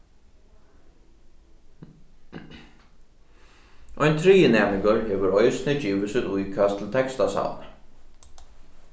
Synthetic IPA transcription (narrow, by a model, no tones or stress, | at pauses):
ʔɔjnt̪ʰɾiːjənɛːmɪŋkəɹheːʋəɾɔjsnɪd͡ʒiːʋɪsɪt̪ujkʰast̪ʰl̩t̪ʰɛkst̪asa̰l